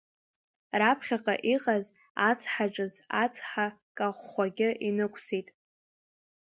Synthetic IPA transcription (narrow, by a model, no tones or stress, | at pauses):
rapʰχʲaqʼa̰ʔiqʼaz | at͡sʰʼħaʈ͡ʂʼɨzat͡sʰʼħakʼaχʷχʷaɡʲɪʔinɨkʷʼʰsitʼ